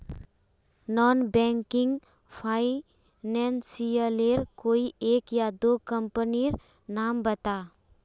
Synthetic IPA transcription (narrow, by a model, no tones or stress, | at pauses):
nɔnbɛŋkɪŋɡ | pʰaɪ | nɛnsiəleɾkoiekjad̪okəmpəniɾ | nambət̪a